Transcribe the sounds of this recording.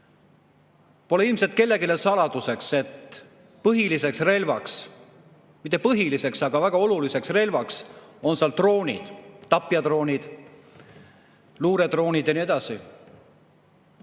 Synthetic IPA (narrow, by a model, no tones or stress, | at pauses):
po̞leilmse̞lt̪̚ke̞lːe̞ɡilesɑlɑd̪̥use̞kse̞t̪ | pɤɦilise̞ksre̞lvɑks | mit̪ːˑe̞pɤɦilise̞ksɑɡ̥ɑvæɡ̥ɑo̞lulise̞ksre̞lvɑkso̞nseɑlt̪ro̞ːnʲḭd̪̥t̪ːɑpːˑiɑd̪ro̞ːnʲid̪̥ | luːɾe̞d̪̥ro̞ːnʲid̪̥jɑnie̞d̪̥ɑsi